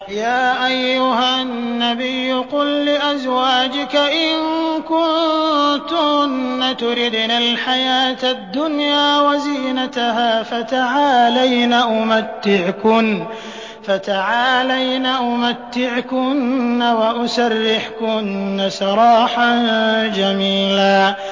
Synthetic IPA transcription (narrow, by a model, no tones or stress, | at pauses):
jaːʔajːʊɦannːabɪjːʊqʊlːɪʔazwaːd͡ʒɪkaʔɪŋkʊnt̪ʊnːat̪ʊɾɪd̪nalħajaːt̪ad̪ːʊnjaːwaziːnat̪ahaːfat̪aʕaːlajnaʔʊmat̪ːɪʕkʊn | fat̪aʕaːlajnaʔʊmat̪ːɪʕkʊnːawaʔʊsarːɪħkʊnːasɑɾˤɑːħand͡ʒamiːlaː